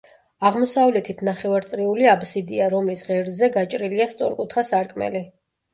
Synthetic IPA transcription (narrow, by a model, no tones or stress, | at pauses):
aʁmɔsavlɛt̪ʰit̪ʰnaχɛvaɾt̪sʼɾiuliabsid̪iaɾɔmlisʁɛɾzɛɡat͡ʃʼɾiliast̪sʼɔ̰ɾkʼut̪ʰχasaɾkʼmɛ̰li